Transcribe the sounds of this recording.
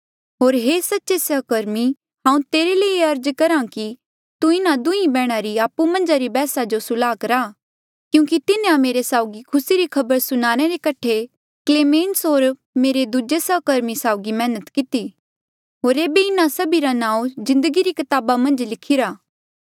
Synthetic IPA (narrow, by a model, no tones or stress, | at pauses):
ɦoːɾɦeːsɐtːʃesɐɦkəɾmi | ɦãːũt̪eːɾeleieɐɾd͡ʒkɐɾãki | t̪uɪnad̪ʊĩbɛːɽ̃aɾiaːpːumɐ̃nd͡ʒaɾibɛːsad͡ʒosʊlaːkɐɾaː | kjũːkit̪ɪnẽameːɾesaːʊɡikʰʊsiɾikʰɐbəɾsʊñaːɾ̃eɾekɐʈʰe | kleːmẽːnsɦoːɾ | meːɾed̪uːd͡ʒesɐkəɾmisaːʊɡimɛ̃ːnət̪kɪt̪i | ɦoːɾeːbeɪnasɐbiɾanãːũzɪ̃nd̪əɡiɾikɪt̪aːbamɐ̃nd͡ʒlɪkʰɪɾaː